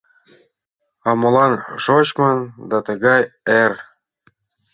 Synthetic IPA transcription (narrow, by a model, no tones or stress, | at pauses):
ɑmɤ̆lɑnʒot͡ɕmɑnd̪ɑt̪ɤ̆ɣɑjer